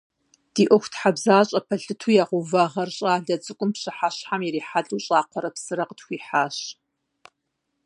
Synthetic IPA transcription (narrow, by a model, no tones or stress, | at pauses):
d̥iːʔʷɔxʷtħabzaːɕʼɐpʰɐɬɨtʰuːjaːʁʷuvaːʁɐrɕʼaːɮɐt͡sʼɨkʷʼʊmpɕɨħaɕħamiɾiːħaɮʼuɕʼaːqʷɔɾɐpsɨɾɐqətxʷiːħaːɕ